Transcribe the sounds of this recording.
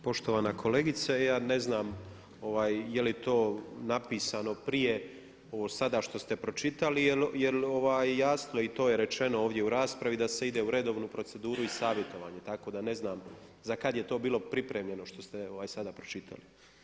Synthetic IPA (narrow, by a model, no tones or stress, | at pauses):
po̞ʃt̪o̞ʋanakʰo̞leɡit̪sajaːne̞znaːm | o̞ʋaːjjelit̪o̞ːnapiːsano̞pɾije̞ | oosad̪aʃt̪o̞st̪e̞pɾo̞t͡ʃit̪alijelje̞lo̞ʋaːjjaːsnoit̪o̞ːje̞ɾe̞t͡ʃe̞no̞oːʋd̪jeuɾaːspɾaʋid̪ase̞id̪euɾe̞d̪o̞ːʋnupɾo̞t̪se̞d̪uːɾuisaːʋje̞t̪o̞ʋa̰ːɲe̞t̪ako̞d̪ane̞znaːmzakad̪jet̪o̞ːbiːlo̞pɾipɾe̞ːmʎe̞no̞ʃt̪o̞st̪eoʋaːjsad̪apɾot͡ʃit̪ʰa̰li